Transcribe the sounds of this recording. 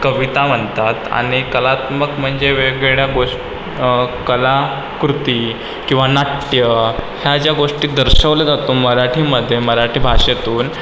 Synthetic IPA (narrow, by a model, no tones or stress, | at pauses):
kəʋit̪am̤əɳt̪at̪a̰ɽ̃ikəlat̪məkm̤əɳd͡zeʋeɡɭeɭjaɡoʂ | kəla | kɾut̪iː | kĩw̃ʋanaʈjəhjad͡ʑjaɡoʂʈiːd̪əɾɕəʋled͡zat̪uːməɾaʈʰiːməd̪ʱːjeməɾaʈʰiːbʱaɕet̪uːn